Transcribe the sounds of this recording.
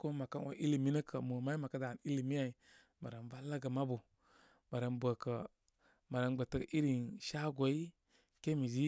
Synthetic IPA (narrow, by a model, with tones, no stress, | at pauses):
ko˦ma˨ka˦n˦wo̰˨˦ʔi˦li˨mi˦nə˦kʰə˨mo˨ma˦i˦ma˨kə˦da˨n˨i˦li˨mi˦a˨i˨ | ma˨ɾa˨nva˦la˦ɡə˨ma˦bu˨ | ma˨ɾə˨nbʷə˨kə˨ | ma˨ɾa˨nɡ͡bə˨tə˨kʔi˦ɾi˨nʃa˦ɡo˨i˦ | ke˦mi˨zi˦